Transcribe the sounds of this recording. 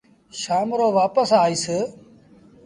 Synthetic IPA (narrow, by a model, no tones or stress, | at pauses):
ʃaːmɾoːʋaːpəsaːiːsɪ